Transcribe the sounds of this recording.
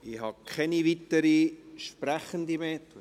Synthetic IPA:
ɪhɑkʰɛnivit̪əɾiʃpræχənd̪imeːt̪

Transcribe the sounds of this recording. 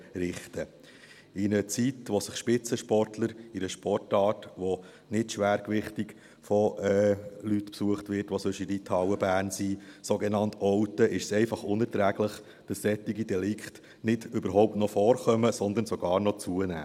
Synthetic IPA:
ɾɪχtə | ɪnət͡sitʋɔsəχʃpɪt͡səʃpɔrtʰləɾiɾəʃpɔrtɑːtʋo | nɪtʃʋæːɾkʋɪχtik | fɔɛlytpsuəχtʋɪtʋosɵʃidit̪ʰɑwəbæːɾnsisoɡenɑnt̪ɔwt̪əʔɪʃəsɛɪfɑχʊnɛɾtɾæːɡ̥ləχ | d̥ɑsːɛt̪ːiɡidɛlɪkχt | nɪdʏbəɾɦɔʊp̚tnɔfɔːrχœməsɔnd̪ənsɔɡ̥ɑːɾnɔt͡suənæ̰ː

